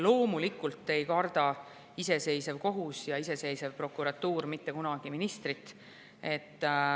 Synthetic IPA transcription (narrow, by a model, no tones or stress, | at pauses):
lo̞ːmulikːˑult̪ːe̞jkɑrd̪̥ɑ | ise̞se̞jsevko̞ɦusjɑise̞se̞jsevpro̞kːˑuɾɑt̪ːuːrmit̪ːe̞kunɑɡ̥iminist̪rit̪ːˑ | e̞t̪ː